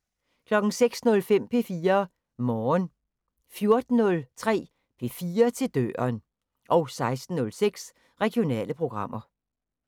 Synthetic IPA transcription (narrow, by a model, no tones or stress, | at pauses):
kʰlɒ̽ɡ̥ŋ̩seɡ̥snɔ̽lfem̰pʰe̝fiːɐ | mɒːn | fjo̝ɐd̥n̩ːɔ̽lt͡sʰʁɛ̰ː | pʰe̝fiːɐt͡sʰe̝ld̥ø̰ːɐn | ʔɒ̽ʊsɑ̈ɪsd̥n̩ːɔ̽lseɡ̥s | ʁɛɡ̥ijo̝nɛ̰ːləpʰʁo̝ɡ̥ʁɑ̈m̰ɐ